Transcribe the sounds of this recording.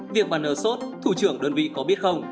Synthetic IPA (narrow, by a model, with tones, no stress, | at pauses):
vi˨˩ək̚ɓaː˨˩nʔəː˧˩so˦˥t̚t̪ʰu˧˩t͡ɕɨ˧˩əŋɗəː˧nvḭ˧˨kɔ˨˦ɓi˦˥ət̚xə˧wŋ͡m